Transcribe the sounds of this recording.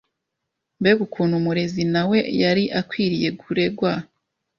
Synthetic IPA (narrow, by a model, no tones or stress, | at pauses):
mbeɡukʰuːn̤humuɾe̞zinawe̞jaɾiʔakwiːɾije̞ɡuɾe̞ɡwa